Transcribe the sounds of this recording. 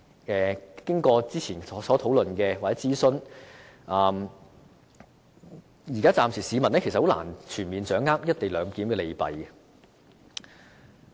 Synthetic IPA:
ʔɛː˨kɪ˥ŋkɔː˧t͡siː˥t͡sʰiː˨˩nɔː˨˥sɔː˨˥t̪ʰo˨˥wlɵ˨nkɛː˧waː˨˩t͡sɛ˨˦˥t͡siː˥sɵ˥n | ʔaː˧m | jiː˨˩kaː˥t͡saː˨˧msʰiː˨˩siː˨˧mɐ˨˩nɛ˥kʰe˨˩sɐ˩ho˨˥wla̰ː˨˩nt͡ʃʰyː˨˩nmiː˨nt͡sœː˨˥ŋːaː˥k̚jɐ˥t̚t̪e˨jlœː˨˧ŋkiː˨˥mkɛː˧le˨˧jpɐ˨j

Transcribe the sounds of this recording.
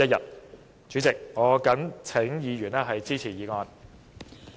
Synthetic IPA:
ɐ˥t̚jɐ̰˨t̚ | t͡ʃy˨˥t͡sɪ˨k̚ŋɔː˨˧kɐ˨˥ŋt͡sʰɪ˨˥ŋjiː˨˧ɥyː˨˩nɛː˥ɦɐ˨jt͡siː˥t͡sʰiː˨˩jiː˨˧ŋɔː˧n

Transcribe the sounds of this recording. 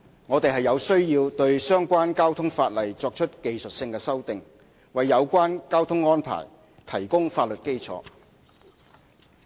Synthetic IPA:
ŋɔː˨˧t̪e˨jɦɐ˨jɐ˨˧wsɵ˥ɥjiː˧wt̪ɵ˧ɥsœː˥ŋkʷaː˥nkaː˥wt̪ʰʊ˥ŋfaː˧t̚lɐ˨˩jt͡sɔː˧k̚t͡ʃʰɵ˥t̚ke˨jsɵ˨t̚sɪ˧ŋkɛː˧sɐ˥wt̪ɪ˨˩ŋ | wɐ˨jːɐ˨˧wkʷaː˥nkaː˥wt̪ʰʊ˥ŋːɔː˥npʰa̰ː˨˩j | t̪ʰɐ˨˩jkʊ˥ŋfaː˧t̚lɵ˨t̚ke˥jt͡sʰɔ̰ː˨˧

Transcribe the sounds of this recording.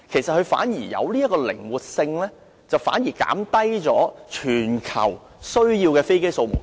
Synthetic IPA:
kʰe˨˩jsɐ˨t̚hɵ˨˧ɥfa̰ː˨˥njiː˨˩jɐ̰˨˧wli˥jɐ˥kːɔː˧lɪ̰˨˩ŋwu˨t̚sɪ˧ŋlɛː˥ | t͡sɐ˨wfaː˨˥njiː˨˩ka̰ː˨˥mt̪ɐ˥jt͡sɔː˨˥t͡ʃʰyː˨˩nkʰɐ̰˨˩w | sɵ˥ɥjiː˧wkɛː˧fe˥jke˥jso˧wmṵ˨˩n

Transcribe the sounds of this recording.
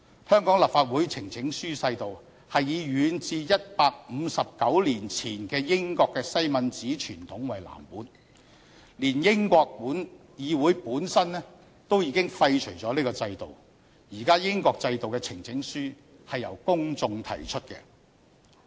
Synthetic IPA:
hœː˥ŋkɔː˨˥ŋlɐ˨˩pfaː˧t̚wu˨˥jt͡sʰɪ˨˩ŋt͡sʰɪ˨˥ŋsyː˥sɐ˧jt̪o˨w | hɐ˨jːiː˨˧ɥyː˨˧nt͡siː˧jɐ˥t̚paː˧k̚m̩˨˧sɐ˨p̚kɐ˨˥wliː˨˩nt͡sʰiː˨˩nkɛː˧jɪ˥ŋkɔː˧kːɛː˧sɐ˥jmɐ˨nt͡siː˨˥t͡ʃʰyː˨˩nt̪ʰʊ˨˥ŋwɐ˨jla̰ː˨˩mpuː˨˥n | liː˨˩njɪ˥ŋkʷɔː˧k̚puː˨˥n | jiː˨˧wuː˨˥jpuː˨˥nsɐ˥nnɛ˥ | t̪o˥wjiː˨˧kɪ˥ŋfɐ˧jt͡ʃʰɵ˨˩jt͡sɔː˨˥liː˥kɔ˧t͡sɐ˧jt̪o˨w | jiː˨˩kaː˥jɪ˥ŋkɔː˧k̚t͡sɐ˧jt̪o˨wkɛ˧t͡sʰɪ˨˩ŋt͡sʰɪ˨˥ŋsyː˥ | hɐ˨jːɐ̰˨˩wkʊ˥ŋt͡sʊ˧ŋt̪ʰɐ̰˨˩jt͡ʃʰɵ˥t̚kɛ̰˧

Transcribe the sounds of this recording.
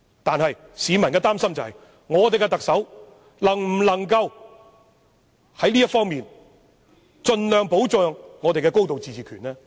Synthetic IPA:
t̪aː˨nhɐ˨jsiː˨˧mɐ˨nkɛː˧t̪aː˥msɐ˥mt͡sɐ˨whɐ˨j | ŋɔː˨˧t̪e˨jkɛ˧t̪ɐ˨k̚sɐ˨˥w | lɐ˨˩ŋm̩˨˩lɐ˨˩ŋkɐ˧w | hɐ˨˥jliː˥jɐ˥t̚fɔː˥ŋmiː˨n | t͡ʃɵ˧nlœː˨ŋpo˨˥wt͡sœː˨ŋːɔː˨˧t̪e˨jkɛː˧ko˥wt̪o˨wt͡siː˨˩t͡siː˨kʰyː˨˩nɛː˥

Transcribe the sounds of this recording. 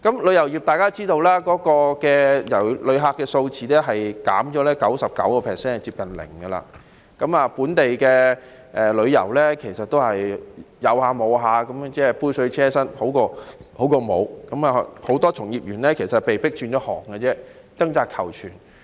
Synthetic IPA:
kɐ˨˥mlɵ˨˧jɐ˨˩wjiː˨p̚t̪aː˨jkaː˥t͡siː˥t̪o˧wlaː˥kɔː˨˥kɔː˧kɛː˧jɐ̰˨˩wlɵ˨˧ɥɦaː˧kːɛː˧so˧wt͡siː˨˥lɛː˥ɦɐ˨jka̰ː˨˥mt͡ʃɔː˨˥lɛː˥kɐ˨˥wsɐ˨p̚kɐ̰˨˥wkɔː˧pʰɛː˨sɛː˥n˨t͡siː˧p̚kɐ˨nlɪ̰˨˩ŋɡɐ˧la̰ː˧ | kɐ˨˥maː˨˧puː˨˥nt̪e˨jkɛː˧ | ʔɛː˨lɵ˨˧ɥjɐ˨˩wlɛ˥kʰe˨˩jsɐ˨t̚t̪o˥whɐ˨j | jɐ˨˧whaː˨˧mo˨˧wɦaː˨˧kɐ˨˥mt͡sɛː˥˩puː˥jsɵ˨˧ɥt͡sʰɛː˥sɐ˥nho˨˥wkɔː˧ho˨˥wkoː˧mo˨˧wkɐ˨˥maː˨ho˨˥wt̪ɔː˥t͡sʰʊ˨˩ŋjiː˨˩p̚jyː˨˩nlɛː˥kʰe˨˩sɐ˨t̚pe˨jpɪ˥k̚t͡ʃyː˧nt͡ɕɔː˨˥hɔ̰ː˨˩ŋɡɐ˧t͡sɛː˥ | t͡sɐ˥ŋt͡saː˧t̚kʰɐ̰˨˩wt͡ʃʰy̰ː˨˩n

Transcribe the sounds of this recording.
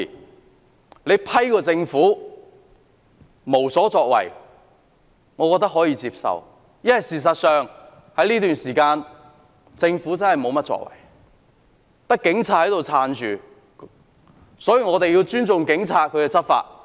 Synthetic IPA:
le˨˧jpʰɐ˥jkɔː˧t͡sɪ˧ŋfuː˨˥ | mo˨˩wsɔː˨˥t͡sɔː˧k̚wɐ̰˨˩j | ŋɔː˨˧kɔː˧t̪ɐ˥k̚ɦɔː˨˥jiː˧t͡siː˧psɐ̰˨w | jɐ˥nhɐ˨jsiː˨˩s̬ɐ˨t̚sœː˨ŋ | hɐ˨˥jliː˥t̪yː˨nsiː˨˩kaː˧n | t͡sɪ˧ŋfuː˨˥t͡sɐ˥nhɐ˨jmo˨˧wmɐ˥t̚t͡sɔ̰ː˧kwɐ̰˨˩j | t̪ɐ˥kːɪ˨˥ŋt͡sʰaː˧t̚hɐ˨˥jt̪o˨wt͡sʰaː˧nt͡ʃyː˨ | sɔː˨˥jiː˨ŋɔː˨˧t̪e˨ji˧wt͡ʃyː˥nt͡sʊ˨ŋkɪ˨˥ŋt͡sʰaː˧t̚kʰɵ˨˧ɥkɛ˧t͡sɐ˥t̚fa̰ː˧t̚

